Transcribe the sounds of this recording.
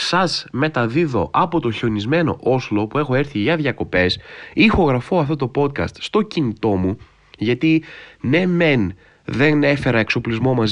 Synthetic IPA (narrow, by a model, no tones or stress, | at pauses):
sɐzme̞t̪ɐðiðo̞̰ʔɐpo̞t̪o̞çonizme̞no̞̰ʔoslo̞pue̞xo̞e̞ɾθiʝɐðʝɐko̞pe̞sixo̞ɣɾɐfo̞ɐft̪o̞t̪o̞po̞t̪̚kɐ̰st̪st̪o̞cinit̪o̞mu | ʝɐt̪ine̞me̞n | ðe̞ne̞fe̞ɾɐe̞kso̞plizmo̞mɐz